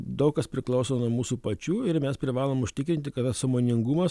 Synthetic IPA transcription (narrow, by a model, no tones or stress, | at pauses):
d̪ɐʊkkɐspʲɾʲɪklˠɒʊsoːnuɔmuːsuːpɐt͡ʃʲuːɪɾmʲɛspʲɾʲɪʋɑːlˠoːmʊʃʲt̪ʲɪkɾʲɪnt̪ʲɪkɐt̪t̪ɐssɐmoːnʲɪŋɡumɐs